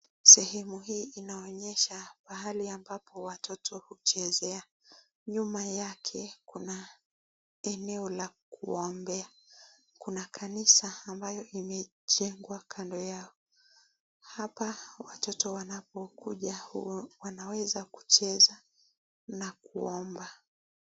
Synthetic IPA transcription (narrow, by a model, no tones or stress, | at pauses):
sɛhɛmuɦiːinaɔɲɛʃapahaliambapɔwatɔtʰɔhut͡ʃɛzɛa | ɲumajakʰɛkuna | ɛnɛɔlakuɔmbɛa | kunakʰanisaːmbajɔʔimɛ | ʄɛŋɡwakʰandɔjaɔ | hapawatɔtɔwanapɔkuʄawanawɛzaku̥t͡ʃɛza | nakuɔmba